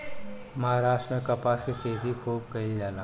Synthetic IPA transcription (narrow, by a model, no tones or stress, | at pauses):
mɐɦaɾaːʃʈmẽkɐpaskiqeːzixʰuːb̚kɐid͡ʒaːla